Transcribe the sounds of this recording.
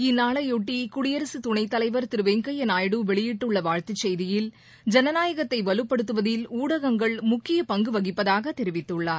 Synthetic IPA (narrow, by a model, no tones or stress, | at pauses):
ɪnːaːɭɐjɔʈːikʊɽɪjɐɾɐsɯt̪ʊɳɐɪt̪ːɐlɐɪʋɐɾt̪ɪɾɯʋeːŋkɐjɐnaːjɽɯʋɛɭɪjɪʈːɯɭːɐʋaːɻt̪ɪt͡ʃːɛjðɪjɪl | d͡ʒɛnɐnaːjɐɣɐt̪ːɐɪʋɐlɯpːɐɽɯt̪ːɯʋɐðɪluːɽɐɣɐŋɡɐɭmʊkːɪjɐpɐŋɡɯʋɐɣɪpːɐðaːɣɐt̪ɛɾɪʋɪt̪ːɯɭːaːɾ